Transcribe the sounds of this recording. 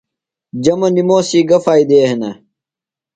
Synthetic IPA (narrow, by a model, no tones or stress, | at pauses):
d͡ʑɐmɐnimoːsiːɡɐfaːid̪eːɦenɐ